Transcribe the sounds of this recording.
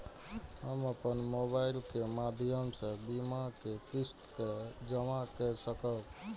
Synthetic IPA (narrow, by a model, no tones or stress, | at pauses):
həməpənmobailkemad̪ʱjəmsə̃bimakekist̪kɛd͡ʒəmakɛsəkət̪